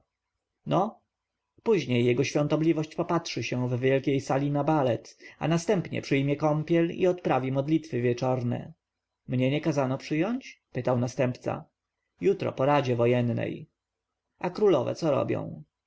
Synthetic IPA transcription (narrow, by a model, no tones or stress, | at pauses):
nɔ | puʑɲejːɛɡɔɕfʲjɔ̃nt̪ɔblʲivɔɕt͡ɕpɔpatʂɘɕɛ̃vvʲjɛlkʲejsalʲinabalɛt̪a̰nast̪ɛmpɲɛ̰pʂɘjmʲjɛkɔmpʲjɛlḭɔt̪pɾavʲimɔd̪lʲit̪fɘvʲjɛt͡ʂɔɾnɛ̰ | mɲɛɲɛkazanɔpʂɘjɔɲt͡ɕpɘt̪awnast̪ɛmpt̪sa̰ | jut̪ɾɔ̰pɔɾad͡ʑɛvɔjɛnːɛ̰j | ʔakɾulɔvɛ̰t̪sɔɾɔ̰bʲjɔ̰̃w̃